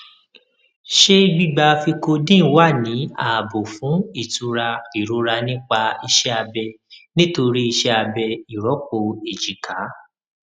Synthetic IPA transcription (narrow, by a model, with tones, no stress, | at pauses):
ʃe˦ɡ͡bi˦˨ɡ͡ba˧fi˧ko˧dĩ˦˨˦wa˦˨nĩ˨˦a˦˨bo˨fũ˨˦i˦˨tu˧ɾa˧i˨ɾu˨˧˦ɾa˧nĩ˦k͡pa˧i˧ʃɛ˦a˧bɛ˧ | nĩ˦to˧ɾi˦i˧ʃɛ˦a˧bɛ˧i˨ɾɔ˨˦k͡po˧e˨d͡ʒi˨ka˨˦